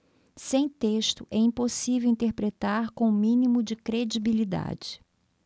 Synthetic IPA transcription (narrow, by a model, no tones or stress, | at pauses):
sẽj̃t̪eʃt̪ʊʔɛĩposivewĩt̪eɾpɾet̪aɾkõʊmĩnimʊd͡ʒɪkɾed͡ʒibilid̪a̰d͡ʒɪ̥